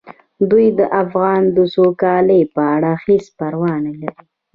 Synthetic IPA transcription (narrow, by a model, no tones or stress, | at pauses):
d̪ujd̪əʔafɣɑnd̪əsokɑləjpəaɽaxispaɾwɑnalaɾi